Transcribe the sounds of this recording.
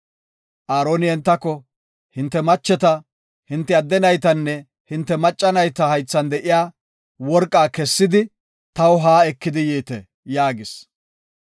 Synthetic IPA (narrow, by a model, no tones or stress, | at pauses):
ʔaːɾoːnɪhɛnt̪ːɐkːɔ | hɪnt̪ːɛmɐt͡ʃːɛt̪ɐ | hɪnt̪ːɛɐd̪ːɛnɐjt̪ɐnːɛ | hɪnt̪ːɛmɐt͡ʃʼːɐnɐjt̪ɐhɐjt͡sːɐnd̪ɛʔɪjaː | wɔɾkʼːaːkɛsːɪd̪ɪ | t̪ɐwɦaːɛkːɪd̪ɪjiːt̪ɛ̰ | jaːɡɪs